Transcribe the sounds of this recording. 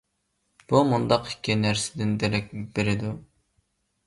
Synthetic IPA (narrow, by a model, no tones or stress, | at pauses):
b̥umund̪ɑqɪ̥kʲʰːinæɾsɪ̥d̪ɪnd̪eɾɛkʲibeɾɪd̪u